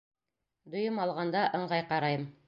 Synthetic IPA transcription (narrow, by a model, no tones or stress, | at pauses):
d̪ŏjɤmɑlˠʁɑnd̪ɑʔɤ̆ɴʁɑjqɑɾɑjɤm